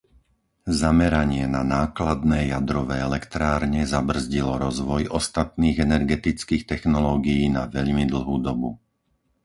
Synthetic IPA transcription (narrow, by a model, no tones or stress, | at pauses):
zamɛɾaɲɪɛnanaːklad̪nɛːjad̪ɾɔʋɛːɛlɛkt̪ɾaːɾɲɛzabr̩zɟilɔɾɔzʋɔjʔɔst̪at̪niːɣɛnɛɾɡɛt̪it͡skiːxt̪ɛxnɔlɔːɡijiːnaʋɛʎmid̪l̩ˠɦuːd̪ɔbu